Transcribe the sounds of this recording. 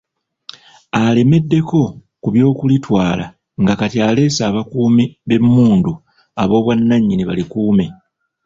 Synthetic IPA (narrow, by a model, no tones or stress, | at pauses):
ale̞me̞dːe̞ko̞ | kuβjo̞ːkulitwaːla̰ | ŋɡakatiale̞ːsaːβakuːmiβe̞mːuːndu | aβo̞ːβwanːaɲːiniβa̰likuːme̞